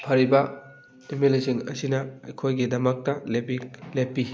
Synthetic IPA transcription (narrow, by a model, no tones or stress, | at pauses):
pʰɐɾibɐ | imilisiŋɐ̰sinɐɐjkʰojɡidɐmɐk̚tɐlepilepːi